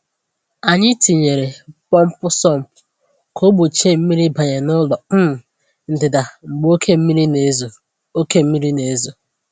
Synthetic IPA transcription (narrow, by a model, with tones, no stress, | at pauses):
a˨ɲɪ˦ti˨ɲe˨ɾe˨pɔ˦m̩˦pʊ˦sɔ˦m̩˨ʊ˨ | kʰo˦ɡ͡bo˨t͡ʃe˦˨m̩˦mi˦ɾi˦ba˨ɲe˨nʊ˦lɔ˨˦m̩˨ | n̩˨dɪ˨da˨ŋ͡m̩˨ɡ͡bo˦kʰe˦m̩˦mi˦ɾi˦ne˨˦zo˨ | o˦ke˦m̩˦mi˦ɾi˦ne˨˦zo˨